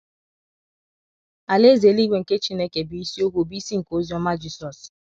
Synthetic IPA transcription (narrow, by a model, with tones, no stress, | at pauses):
a˨le˦ze˨li˦ɡ͡bʷe˨ŋ̩˨ke˦t͡ʃi˦ne˦ke˨bi˨˦si˦o˦ɦʷu˦˨bi˦si˦ŋ̩˨ko˨˦zi˦ɔ˦ma˦d͡ʒi˦sɔ˨s